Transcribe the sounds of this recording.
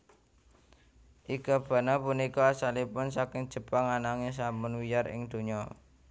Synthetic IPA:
ʔiɡ̥a̤b̥ä̤nɔpunikɔasalipʊnsakɪŋd̥ʒ̥ə̤paŋanaŋes̬ampʊnwijarɪ̰ŋd̪̥o̤ɲɔ

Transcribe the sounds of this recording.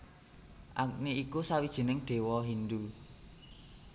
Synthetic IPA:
ʔak̚neikusawid̥ʒ̥ə̤nɪŋɖ̪̥e̤wɔɦind̪u

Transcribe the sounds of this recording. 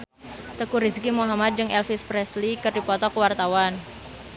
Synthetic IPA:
t̪əkuɾiskimoɦamat̪̚d͡ʒɨŋʔɛlfispɾɛslikɨrdipɔt̪ɔkəwart̪awan

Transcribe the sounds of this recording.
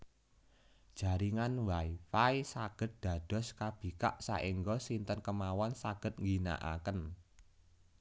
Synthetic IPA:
d̥ʒ̥a̤ɾiŋanwaifaisaɡ̥ə̤t̪̚d̪̥ä̤d̥ɔ̤skab̥i̤ka̰ʔsa̰ʔiŋɡɔsint̪ənkəmawansaɡ̥ə̤t̪̚ŋɡina̰ʔa̰kən

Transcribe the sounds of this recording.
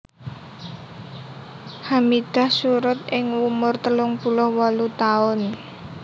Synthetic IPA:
hamid̪̥a̤hsuɾʊt̪̚ʔɪŋwumʊrt̪əlʊŋpulɔhwɔlut̪aʊn

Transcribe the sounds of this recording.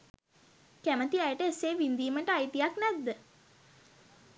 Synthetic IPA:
kæmət̪iɛjəʈəeseːʋind̪iːməʈəajt̪ijaknɛd̪ːə

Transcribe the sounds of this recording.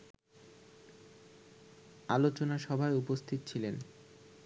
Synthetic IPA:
alot͡ɕonaʃɔbʱaeupost̪ʰit̪ot͡ɕʰilen

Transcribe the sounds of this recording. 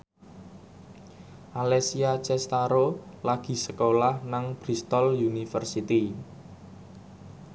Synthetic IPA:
ʔalesiat͡ʃɛst̪aɾolaɡ̥i̤səkolahnaŋb̥ɾist̪ɔljunifərsit̪i

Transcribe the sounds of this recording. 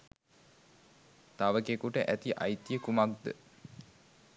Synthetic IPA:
t̪aʋəkekuʈəʔæt̪iʔa̰jt̪ijəkumakd̪ə

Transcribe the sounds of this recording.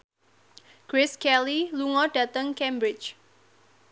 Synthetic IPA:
kɾɪskɛliluŋɔɖ̥ä̤t̪əŋkɛmbɾɪt͡ʃ

